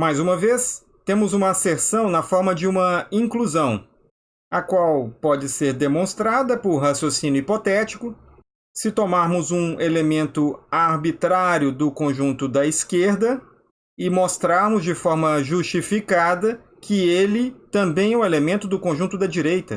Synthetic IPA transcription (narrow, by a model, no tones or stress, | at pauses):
majzũmɐves | t̪ẽmʊzũmɐaseɾsɐ̃w̃nɐfɔɾmɐd͡ʒɪũmɐĩŋkluzɐ̃w̃ | ɐkwawpɔd͡ʒɪseɾd̪emõst̪ɾad̪ɐpʊɾhasjosĩnjʊipot̪ɛt͡ʃi̥kʊ | sɪt̪omaɾmʊzũelemẽnt̪ʊaɾbit̪ɾaɾjʊd̪ʊkõʒũnt̪ʊd̪ɐiskeɾd̪ɐ | ɪmost̪ɾaɾmʊzd͡ʒɪfɔɾmɐʒust͡ʃifikad̪ɐ | kʰɪelɪt̪ɐ̃mbẽj̃ɛʊwelemẽnt̪ʊd̪ʊkõʒũnt̪ʊd̪ɐd͡ʒiɾejt̪ɐ